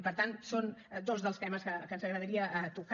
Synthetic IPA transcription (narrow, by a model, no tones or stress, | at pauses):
ipəɾt̪ansond̪ozðəlˠst̪ɛməskəkənzəɣɾəð̞əɾiəʔət̪uk